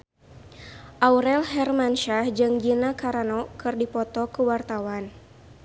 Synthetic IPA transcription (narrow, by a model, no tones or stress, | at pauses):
ʔawɾɛlɦɛrmanʃahd͡ʒɨŋd͡ʒinakaɾanɔkɨrdipɔt̪ɔkəwart̪awan